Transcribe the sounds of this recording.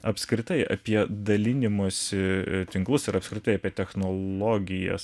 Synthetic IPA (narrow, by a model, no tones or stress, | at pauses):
ɐpskɾʲɪt̪ɐɪɐ̰pʲiɛd̪ɐlʲɪnʲɪmuːsʲɪt̪ʲɪŋklˠʊsɪɾɐpskɾʲɪt̪ɐɪɐpʲiɛt̪ʲɛxnoːlˠoːɡʲɪjɛ̰s